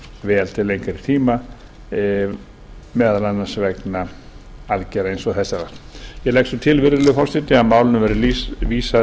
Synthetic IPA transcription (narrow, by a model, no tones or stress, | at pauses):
vɛːalt̪ʰɪlejŋkaɾi̥t̪ʰiːma | mɛðalanːasvɛkna | aðcɛɾaejnsɔɣθɛsaɾḁjɛlɛjksɔt̪ʰɪlvɪɾðɪlʏfɔrst̪ɪt̪ɪaðmaːwlɪnʏmvɛɾɪliviːsa